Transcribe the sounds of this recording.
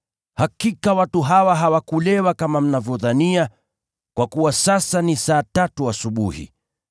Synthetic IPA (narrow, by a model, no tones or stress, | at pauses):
hakikawatuɦawaɦawakulɛwakamam̩navjɔðania | kwakuwasasanisaːtatuasuɓuhḭ